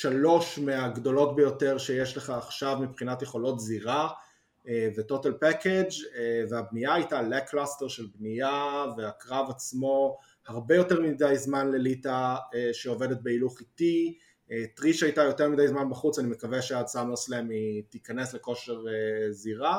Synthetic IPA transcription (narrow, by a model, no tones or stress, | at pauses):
ʃalo̞ʃmeaɡdo̞lo̞tbejo̞te̞ʁʃejeʃleχaːχʃavmipχinatjeχo̞lo̞tziʁa | eveto̞talpeked͡ʒveabniaːjtaleklasteʁʃe̞lbnijaveakʁavat͡smo̞ | haʁbe̞jo̞te̞ʁmidajzmanle̞litaeʃeo̞vedet̚beiluχiti | etʁiʃajtajo̞temidajzmanbaχut͡sanime̞kaveʃeadsamoslemitikane̞sbeko̞ʃeʁeziʁa